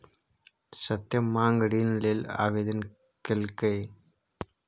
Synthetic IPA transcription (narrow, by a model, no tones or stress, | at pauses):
sɐt̪jɐmːaːŋɡɐɽiːnɐlila̰ːʋed̪ɐn | kelkɐj